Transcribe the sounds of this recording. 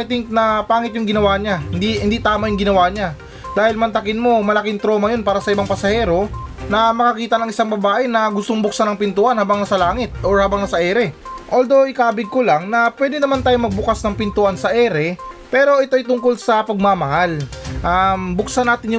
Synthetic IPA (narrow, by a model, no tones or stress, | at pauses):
ɪt̪ɪŋknɐpaːŋɪt̪̬̚jʊŋɡɪnɐwaːɲahɪnd̪ihɪnd̪it̪aːmajʊŋɡɪnɐwaːɲa | d̪aːhɪlmɐnt̪ɐkɪnmo̞mɐlɐkɪŋt̪ɾo̞ːmɐjo̞npaːɾɐsɐʔɪbaŋpɐsɐhɛːɾo̞nɐmɐkɐkiːt̪ɐnɐŋʔɪsaŋbɐbaːʔɛnɐɡʊst̪oŋbʊk̚sanɐŋpɪnt̪uʔɐnhaːbɐŋnɐsɐlaːŋɪt̪̚ʔoɹhaːbɐŋnɐsɐʔɛːɾɛʔoːld̪o̞ʔɪkaːbɪɡ̚kolaŋnɐpwɛːd̪ɪnɐmant̪aːjomɐɡ̚bʊkasnɐŋpɪnt̪uʔansɐʔɛːɾɛpɛːɾo̞ʔɪt̪oʔjt̪ʊŋko̞lsɐpɐɡ̚mamɐhalʔambʊk̚sɐnaːt̪ɪnj